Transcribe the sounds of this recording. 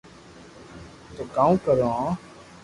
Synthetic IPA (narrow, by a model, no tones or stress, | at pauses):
t̪oːkaːũːkəɾoãː